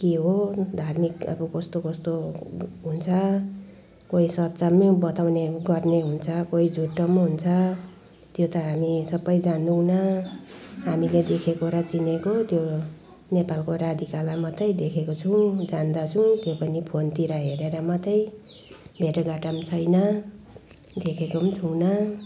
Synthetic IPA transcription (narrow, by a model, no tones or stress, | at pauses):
keɦod̪ʱarmikʌ̰bʌkʌst̪okʌst̪oɦunt͡sʰʌ | koisʌt̪t͡samebʌt̪awneɡʌrneɦunt͡sʰʌkoid͡zʱuʈːʌmɦunt͡sʰʌ | t̪jot̪ʌɦamisʌbːʌjd͡zand̪una | ɦamiled̪ekʰekoɾat͡sinekot̪jo | nepalkoɾad̪ʱikalamʌt̪ʌjd̪ekʰekot͡sʰũd͡zand̪at͡sʰũt̪jopʌnipʰont̪iɾaɦeɾeɾʌmʌt̪ʌj | bʱeʈʌɡaʈʌmt͡sʰʌjnʌ | d̪ekʰekot͡sʰuwnʌ